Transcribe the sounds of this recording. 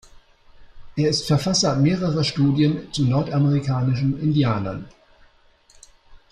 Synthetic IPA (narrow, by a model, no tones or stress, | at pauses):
ʔeːɐɪstfɛɐfasɐmeːʁ̞əʁɐʃtuːdjənt͡sunɔɐtaməʁikʰaːnɪʃn̩ɪndjaːnɐ̰n